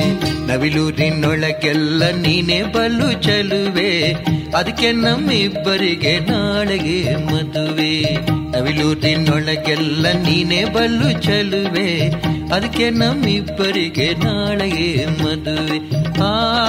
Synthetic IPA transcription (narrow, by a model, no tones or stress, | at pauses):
nɐʋiluːɾinːɔɭɐɡɛlːɐniːneːbɐlːut͡ʃɐluʋeɐd̪ɐkːe̞nɐmːibːɐɾiɡenaːɭɐɡemɐd̪uʋenɐʋiluːɾinːɔɭɐɡɛlːɐniːneːbɐlːut͡ʃɐluʋeɐd̪ɐkːenɐmːibːɐɾiɡenaːɭɐɡemɐd̪uʋeaː